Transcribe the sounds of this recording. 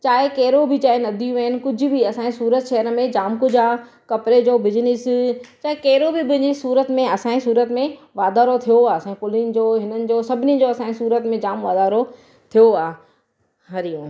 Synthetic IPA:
t͡ɕaːɦɪkɐɦɪɾobʱɪt͡ɕaːɦenɐd̪ʱijũɐɦɪnɪ̆kʊd͡ʑ̆ʱbɪɐsãːĩsuːɾət̪ʃeɦəɾmẽd͡ʑaːmkʊd͡ʑaː | kɐpɾed͡ʑoːbɪd͡ʑnɪst͡ɕaːɦɪkɐɦɪɾobɪbʊ̃ɦɪ̃ɲd͡ʑisuːɾət̪mẽɐsãːĩsuːɾət̪mẽʋaːd̪aːɾot̪ʰijoaːsãpʊlɪnd͡ʑoːɦɪnənɪ̆d͡ʑoːsɐbʱɪnid͡ʑoɐsãːĩsuːɾət̪mẽd͡ʑaːmʋaːd̪aːɾo | t̪ʰijoaː | ɦɐɾijũː

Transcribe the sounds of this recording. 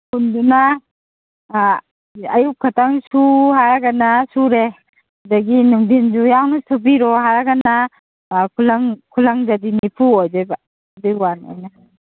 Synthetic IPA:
hʰunduna | ajup̚kʰatʰaŋsuhaɾaɡanasuɾe | hawdaɡinuŋdind͡ʒujawnatʰubiɾɔɦaɾaɡana | kʰulaŋkʰulaŋzadinipʰuojd͡ʒajba | diwano̰jna

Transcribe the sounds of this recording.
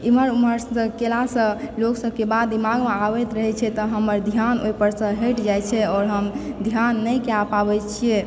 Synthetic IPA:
iməɾuməɾə̃kelasə̃loksəb̚kebad̪ːimaɡmeabɛt̪ɾəɦɛt͡ʃʰɛt̪ɔɦəməɾd̪ʱjanojpəɾsə̃ɦeʈd͡ʒajt͡ʃʰɛɔːɾɦəmd̪ʱjanːəjkeapabɛt͡ʃʰije

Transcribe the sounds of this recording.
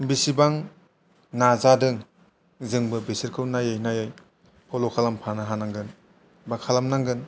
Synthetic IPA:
bisibaŋ | nazadɯŋ | zɯŋbɯbisiɾkʰɯwnajɯjnajɯj | pʰɔlokʰalampʰanɯɦanaŋɡɯn | bakʰalamnaŋɡɯn

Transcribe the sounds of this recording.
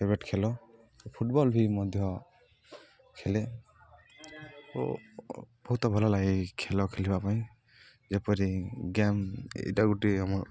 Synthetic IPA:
pabeʈkʰɛlɔ | pʰuʈ̚bɔlbʱimɔd̪ʱjɔ | kʰɛle | ɔ̰ | b̥ɔɦut̪ɔbʱɔlɔlaɡikʰɛlɔkʰelibapaĩ | zɛpɔɾiɡɛmḛjtaɡutiɦamɔɹ

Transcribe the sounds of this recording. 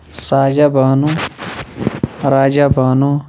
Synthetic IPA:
saːd͡ʒaːbaːnu | ɾaːd͡ʒaːbʱaːnuː

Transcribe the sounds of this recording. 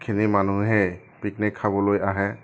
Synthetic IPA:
kʰinimanuɦɛ | pik̚nɛkʰabɔlojaɦɛ

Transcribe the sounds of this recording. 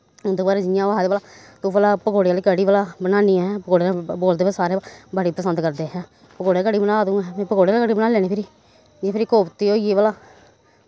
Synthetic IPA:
ʊ̃nd̪eːbaːɾeːd͡ʒɪjãːʋaːd̪balaː | t̪õːbəlaːpəkoːɽejaːliːkəɽiːbəlaːbənaːniːɛ̃ːpəkoːɽeaboːld̪eːpʰesaːɾeːbaɽiːpɾəsənd̪kəɾd̪eːɦɛ̃ː | pəkoːɽekəɽiːbənaːd̪ũːɛːmɛ̃ːpəkoːɽeaːlːkəɽiːbənaːlɛːneːpʰɪɾiː | d͡ʒãpʰɪɾikoːpt̪iːoːieːbalaː

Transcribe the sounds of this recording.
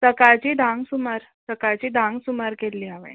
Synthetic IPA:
səkaɭt͡ɕid̪ʱãŋɡsumaɾ | səkat͡ɕiːd̪ʱãŋɡsumaɾkelːiːaʋḛ̃

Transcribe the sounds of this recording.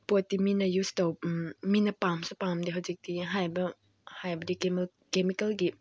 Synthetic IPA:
pot̚diminɐjustowpminɐpamsupamdiɦɐwzik̚d̥iɦajbɐ | hajbɐdik | kemikɐlɡi

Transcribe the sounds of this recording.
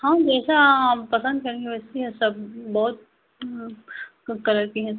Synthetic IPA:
hãːd͡ʒɛːsapɐsə̃nd̪̚kɐɾẽːŋɡiʋɛsiɦɛ̃sɐbbɔːʊt̪̚ | kɐləɾkiɦɛ

